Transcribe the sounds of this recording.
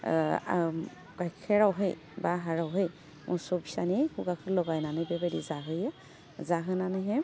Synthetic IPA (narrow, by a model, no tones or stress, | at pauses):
ɡ̥ajkʰɛɹawɦɯj | baɦaɹɔwɦɯj | mṵsɔbisanikʰuɡakʰɯlɔɡajnanɛbɛbadḭzaɦɯja | zaɦɯnaneɦɛ